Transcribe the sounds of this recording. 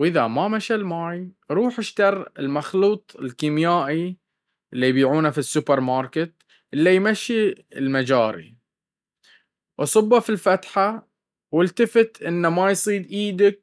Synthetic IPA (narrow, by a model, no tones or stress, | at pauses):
wʔɪðamamaʃalmaːjɾˤuːħaʃt̪ɑɾˤɪlmaxluːt̪ˤɪlkiːmjaːʔi | ʔɪlːijbiːʕuːnafisːʊpɑɾˤmɑːɾˤkɪt̪ | ʔɪlːijmaʃːilmad͡ʒaːɾḭ | ʔɑ̰sˤɨbːafilfat̪ħa | wɪlt̪afɪt̪ʔɪnːamajsˤiːd̪ʔiːd̪ak̚